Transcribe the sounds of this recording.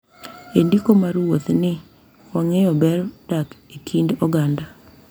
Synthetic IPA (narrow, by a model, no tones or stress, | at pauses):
endikomaɾwot̪nɪ | wɔŋejɔbɛɾd̥akekʰindɔɡanda